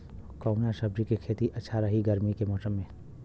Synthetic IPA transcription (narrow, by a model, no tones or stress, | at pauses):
kɔːnaʃɐbɾikekʰeːt̪iʔɐtːʃʰaɾɐɦiɡɐɾmikemɔːsəmːẽ